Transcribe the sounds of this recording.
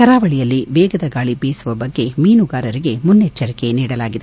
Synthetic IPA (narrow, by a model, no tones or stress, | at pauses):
kɐɾaːʋɐɭijɐlːiʋɛːɡɐd̪ɐɡaːɭibeːsuʋɐbɐɡːe̞miːnuɡaːɾɐɾiɡe̞munːet͡ʃːɐɾike̞niːɽɐlaːɡid̪e